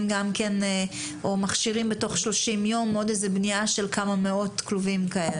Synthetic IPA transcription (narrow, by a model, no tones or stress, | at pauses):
mɡamken | omaχʃiʁimbeto̞χʃlo̞ʃimjo̞mo̞dezebniaʃe̞lkʰamameo̞tkluvimkae̞le